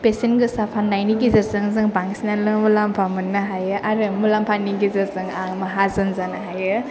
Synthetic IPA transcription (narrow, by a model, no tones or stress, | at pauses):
pesenɡɯsapʰanːajniɡizɐɾzɯŋzɯŋbaŋsinalɯŋmulampʰamɯnːaɦajɯʔaɾɯmulampʰaniɡizɐɾzɯŋaŋmaɦazɯnzanaɦajɯ